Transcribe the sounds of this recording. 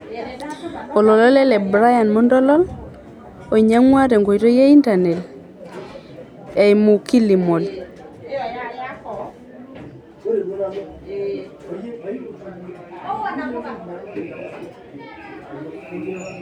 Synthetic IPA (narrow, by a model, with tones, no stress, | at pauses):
o˨lɔ˨lɔ˦lɛ˦lɛ˨bɾa˦ja˨nmo˦ndɔ˦lɔ˦l | o˨ɲa˦ŋwa˦ɾe˨ŋɡo˨i˨ɾo˦je˦i˦nta˨ne˨l | e˨jmu˨ki˦li˨mo˨l